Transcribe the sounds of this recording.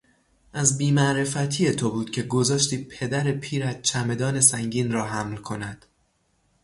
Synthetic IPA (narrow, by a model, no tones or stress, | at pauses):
ʔæzbiːmæʔɾe̞fæt̪ʰiːjet̪ʰo̞buːd̪̥cʲʰe̞ɡo̞zɒːʃt̪iːpʰe̞d̪æɾepʰiːɾæz̥t͡ʃʰæme̞d̪ɒːne̞sæŋɟiːnrɒːɦæmlkʰo̞næd̪̥